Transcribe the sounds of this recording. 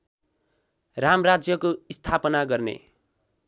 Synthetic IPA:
ramrad͡zjʌkoist̪ʰapʌnaɡʌrnḛ

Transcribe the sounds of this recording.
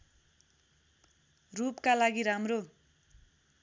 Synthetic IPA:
rupkalaɡiɾamro

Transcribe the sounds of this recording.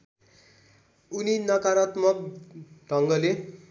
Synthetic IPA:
uninʌkaɾʌt̪mʌk̚ɖʱʌŋɡʌle

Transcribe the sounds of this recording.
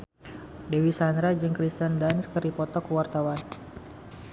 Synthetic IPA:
dewisand̪ɾad͡ʒɨŋkɾist̪əndanskəɾipɔt̪ɔkuwart̪awan

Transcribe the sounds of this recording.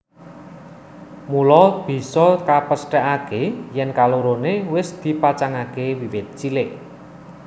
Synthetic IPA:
mulɔb̥i̤sɔkapəsʈɛʔakejɛnkaluɾonewɪsd̪̥i̤pat͡ʃaŋakewiwɪt̪̚t͡ʃilɪʔ

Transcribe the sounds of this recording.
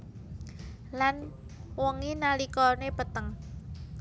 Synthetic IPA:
lanwəŋinalikɔnepət̪əŋ

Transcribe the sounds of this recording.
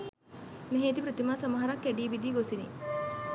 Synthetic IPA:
meɦeːt̪ipɾət̪imaːsamɐɦɐɾɐkːæɖiːbid̪iːɡosinḭ

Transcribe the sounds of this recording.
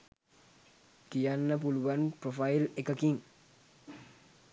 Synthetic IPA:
d̥ijanːap̬uluwanpɾɔfailɛkəkiŋ

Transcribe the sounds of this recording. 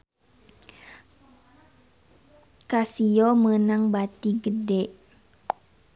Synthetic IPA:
kasiomənaŋbat̪iɡədɛʔ

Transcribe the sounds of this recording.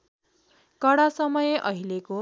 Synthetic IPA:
kʌɽasʌmʌjeʔʌɦileko

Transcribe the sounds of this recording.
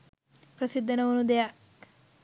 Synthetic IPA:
pɾɐsid̪ʱːɐnɐʋɐnud̪ejak

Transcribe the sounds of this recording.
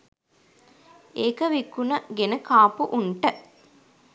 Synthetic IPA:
eːkəʋikunəɡenəkaːpuʔuɳʈə

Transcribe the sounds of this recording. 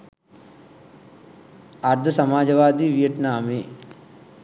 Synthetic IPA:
ɐɾd̪ʱɐsɐmaːd͡ʒɐʋaːd̪iʋijɐʈnaːme

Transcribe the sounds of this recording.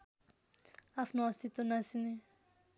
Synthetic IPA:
apʰnoɔst̪it̪onasini

